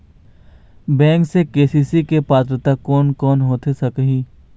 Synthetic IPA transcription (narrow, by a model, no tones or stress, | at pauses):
bɛ̃ːŋksekeːsiːsikepaːt̪ɾət̪akɔːnkɔːnɦoːt̪esɐkɦĩː